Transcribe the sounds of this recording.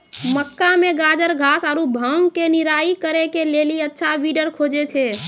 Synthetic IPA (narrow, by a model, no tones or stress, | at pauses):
məkːameɡad͡ʒəɾɡʱasaɾubʱəŋɡkeniɾaikəɾekeleliətːʃʰaʋiɖəɾkʰod͡ʒet͡ʃʰɛ